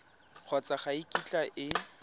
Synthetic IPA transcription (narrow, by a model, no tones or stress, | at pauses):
χʰɔt͡saχaikʼit͡ɬʼaʔɪ